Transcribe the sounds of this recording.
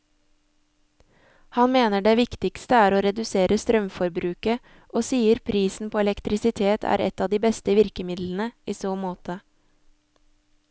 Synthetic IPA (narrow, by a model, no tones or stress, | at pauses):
hɑnmeːnəɖeːʋɪkt̪ɪkst̪əæːɾoːɾɛd̪ʉseːɾəst̪ɾœmfɔɾbɾʉːkə | ʔoːsiːəɾpʰɾiːsn̩pʰoːɛlɛkt̪ɾɪsɪt̪ʰeːt̪ʰæ̰ːɾɛ̰t̪ɑːd̪iːbɛst̪əʋɪɾkəmɪd̪ln̩əʔiːsoːmoːt̪ə